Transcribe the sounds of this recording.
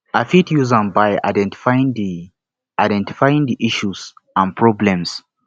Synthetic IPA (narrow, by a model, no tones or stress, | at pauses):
afitjuzãnbaja̰dɛ̃ntfãŋi | ajdɛ̃nti̥fajĩŋdiʔiʃuzãnpʰɹɔblɛ̃ms